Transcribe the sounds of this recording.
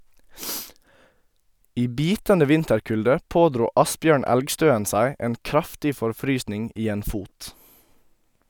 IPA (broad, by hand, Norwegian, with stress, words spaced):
ˈiː ˈbiːtəndə ˈʋɪntəɾˌkʉldə ˈpoːdɾuː ˈɑsbjøːɳ ˈɛlɡˌstøːən ˈsæɪ ˈeːn ˈkɾɑftɪ fɔɾˈfɾyːsnɪŋ ˈiː ˈeːn ˈfuːt